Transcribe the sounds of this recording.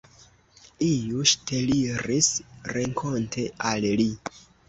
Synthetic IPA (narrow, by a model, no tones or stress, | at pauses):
ijuʃtʰeliɾisɾeŋkʰo̞ntʰe̞alli